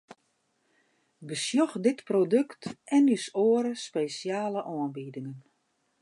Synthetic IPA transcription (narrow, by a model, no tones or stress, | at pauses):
bəsjɔxdɪtprodøktɛnysoəɾəspeːsjaːləʔɔənbidɪŋən